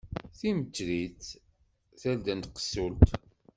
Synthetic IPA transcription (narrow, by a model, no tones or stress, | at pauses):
θimət͡ʃːliθ | θæld̪ənt̪qə̥sult̪